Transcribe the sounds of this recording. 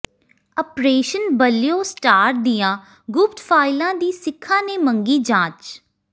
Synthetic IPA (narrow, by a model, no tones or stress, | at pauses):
əpɾeːʃənbəljõːsʈaːɾʈ̚d̪ɪjãː | ɡʊp̚ʈ̪fʰaːɪlãːd̪iːsɪkʰːãːneːməŋɡiːd͡ʒãːt͡ʃ